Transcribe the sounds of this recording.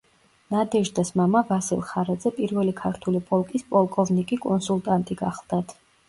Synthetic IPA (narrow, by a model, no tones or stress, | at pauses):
nad̪ɛʒd̪asmamavasḭlˠχaɾad̪zɛpʼiɾvɛlikʰaɾt̪ʰulipʼɔlˠkʼispʼɔlˠkʼɔvnikʼikʼɔnsulˠt̪ʼant̪ʼiɡaχlˠd̪̥at̪ʰ